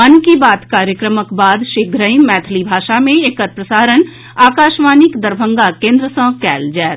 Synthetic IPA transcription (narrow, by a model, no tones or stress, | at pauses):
ɐnkibaːt̪kaːɾjəkɾəməkbaːd̪ʃeɡʱɾəimːɛːt̪ʰlibʱaːʃamẽekəɾ̚pɾəsaːɾən | aːkaːʃmaːnɪkd̪əɾbʱə̃ŋɡakẽːnd̪ɾəsə̃kɛːld͡ʒɛːt̪